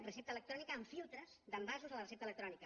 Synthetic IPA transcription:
rəsep̚t̪ələkt̪ɾɔnikəːɱfilˠt̪ɾəz̥d̪əmbazuzələrəsept̪ələkt̪ɾɔnikə

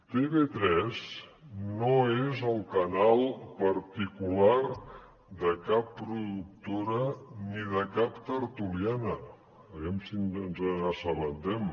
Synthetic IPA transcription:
t̪eβet̪ɾɛznoezəlˠkənalˠpəɾt̪ikular | d̪əkapːɾuðuk̚t̪oɾəniðəkapt̪əɾt̪ulianə | əɣɛmsinənzəəsələnt̪ɛm

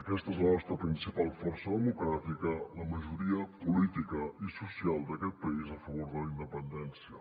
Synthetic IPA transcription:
əkɛst̪əezlənɔst̪ɾəpɾinsipalˠfɔrsəðəmukɾat̪ikələməʒuɾiəpulit̪ikəisusialˠd̪əkɛt̪̚pəizəfəβoɾðələind̪əpənd̪ɛnsiə

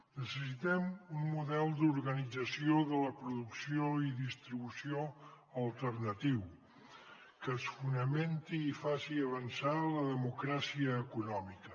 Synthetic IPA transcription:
nəsəsit̪ɛmunmuðɛlˠd̪uɾɣənid͡zəsioðələpɾuðuksioiðist̪ɾiβusio | əlˠt̪ərnət̪iw | kəːsfunəment̪iːfasiəβənsaləðəmukɾasiəːkunɔmikə

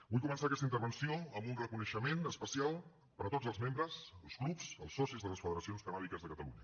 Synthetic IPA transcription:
bujkumənsaəkɛst̪int̪əɾβənsioəmbunrəkunəʃəmenəspəsialˠ | pəɾət̪odd͡zəlˠzmembɾəzəlˠsklupsəlˠsɔsizðələsfəðəɾəsionskənaβikəzðəkət̪ə̰lṵɲə

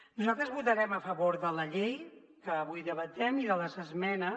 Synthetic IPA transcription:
nuzalˠt̪ɾəzβut̪əɾɛməfəβoɾðələʎej | kəːβujðəβət̪ɛmiðələzəzmɛnə

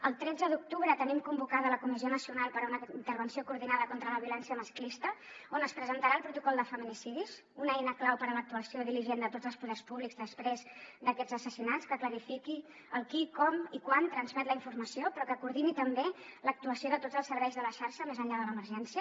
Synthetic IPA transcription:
əlˠt̪ɾɛd͡zəðuk̚t̪uβɾət̪ənimkumbukaðələkumizionəsiunalˠpəɾunəint̪əɾβənsiokuɾðinaðəkont̪ɾələβiulɛnsiəməsklist̪ə | onəspɾəzənt̪əɾaəlˠpɾut̪ukɔlˠd̪əfəminisiðis | unɛjnəklawpəɾələk̚t̪uəsioðiliʒend̪ət̪od͡zəlˠspuðɛrspuβliɡzd̪əspɾezd̪əkɛd͡zəsəsinatt͡skəkləɾifiki | əlˠkikɔmikwant̪ɾənzmɛt̪ləiɱfurməsiopɾɔkəkuɾð̞init̪əmbelək̚t̪uəsioðət̪odd͡zəlˠsəɾβɛjzðələʃaɾʃəmezəʎað̞ələməɾʒɛnsiə

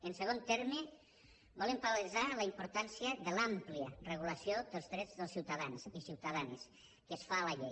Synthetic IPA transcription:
ənsəɣ̞ont̪ɛɾme | bɔlempaɾalizaləimpuɾt̪ansiəðəlampliərəɣ̞uləsijod̪əlˠzðɾɛd͡zðəlˠsiwt̪əðanzisiwt̪əðans | kəsfaləʎej

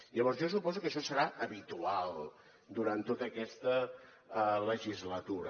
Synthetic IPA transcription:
ʎəβɔɾzʒosupɔzukəʃɔsəɾaʔəβit̪ualˠ | d̪uɾant̪ːot̪əːkɛst̪ə | ləʒizlət̪uɾə̰

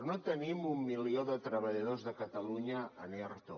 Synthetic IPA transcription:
not̪ənimumːilioðət̪ɾəβəʎəðozðəkət̪əluɲəːneɾt̪o

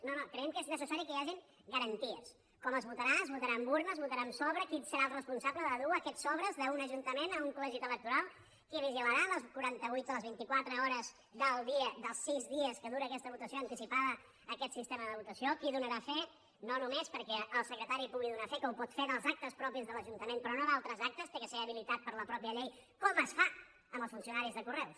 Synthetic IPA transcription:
nonokɾəɛmkeznəsəsaɾikəjaʒiŋ | ɡəɾənt̪iəs | kɔməzβut̪əɾaəzβut̪əɾambuɾnəːzβut̪əɾamsɔβɾəkisəɾalˠrəspunsabləðəðuəkɛt̪sɔβ̞ɾəzðəunəʒunt̪əmenəuŋkulɛʒit̪ələk̚t̪uɾalˠ | kiβiʒiləɾaðəlˠskuɾant̪əβujt̪ələzβint̪ikwat̪ɾəɔɾəz | d̪əlˠd̪iəðəlˠsizðiəskəðuɾəːkɛst̪əβut̪əsioənt̪isipaðəː | kɛt̪sist̪eməðəβut̪əsiokiðunəɾafe | nonumespəɾkɛʔəlˠsəkɾət̪aɾipuɣiðunafekoupɔt̪feðəlˠzak̚t̪əspɾɔpizðələʒunt̪əmenpɾɔnoðalˠt̪ɾəzak̚t̪əst̪ekəseəβ̞ilit̪at̪̚pəɾləpɾɔpiəʎej | kɔməsfa | əməlˠsfunsiunaɾizðəkurɛws

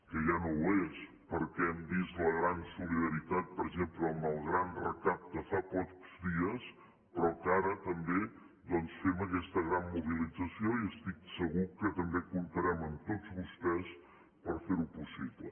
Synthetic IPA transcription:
kəʒanowes | pəɾkɛɛmbist̪ləɣɾansuliðəɾit̪at̪̚pəɾʒempləːmbəlˠɣɾanrəkap̚t̪əfapɔkz̥d̪iəs | pɾɔkaɾət̪əmbe | d̪ɔnsfeməkɛst̪əɣɾanmuβilid͡zəsioiəst̪iksəɣukət̪əmbekunt̪əɾɛməmt̪od͡zβust̪ɛs | pəɾfeɾupusiβlə̰

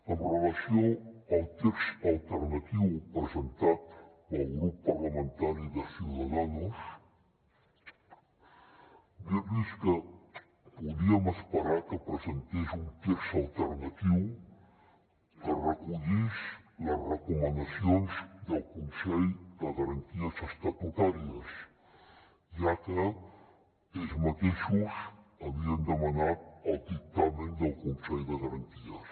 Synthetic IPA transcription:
ənrəlasjoəlˠt̪eksalt̪əɾnat̪iwpɾəzənt̪at̪pəlˠɣɾupːaɾlamə̃nt̪aɾiðəsjuðaðanus | bəðiskə | puðiaməspəɾaɾkəpɾəzent̪eʃunt̪eksalˠt̪əɾnat̪iw | kərəkuʎiʃləzrəkumənd̪əsionzd̪əlˠkunsɛʎd̪əɣəɾənt̪iəzəst̪ɐt̪ut̪aɾiəs | iakə | ezmət̪eʃusəβiənd̪əmənat̪̚əlˠd̪ik̚t̪amənd̪əlˠkunsɛjðəɣəɾənt̪iə

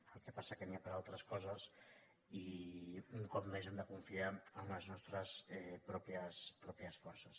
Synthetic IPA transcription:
əlˠkɛpasakəniapəɾalˠt̪ɾəskɔzəs | i | uŋkɔp̚mezemd̪əkuɱfiaəunəznɔst̪ɾəsɛpɾɔpiəspɾɔpiəsfɔɾsəs

